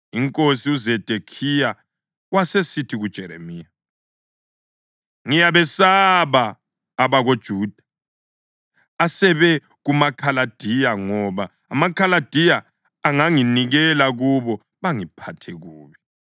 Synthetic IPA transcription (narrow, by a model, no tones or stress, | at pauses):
iŋkʼosiuzɛd̥ʱekʰija | wasesitʰiɣud̥ʒ̥ʱɛɾḛmiːja | ŋijaβɛsaβaː | βaɣod̥ʒ̥ʱuːd̥ʱa | asɛβɛ | ɣumakʰalad̥ʱijaŋɔβaːmakʰalad̥ʱijaː | ŋaŋiniɣɛlaɣuβɔ | βaŋipʰatʰɛɣuːβi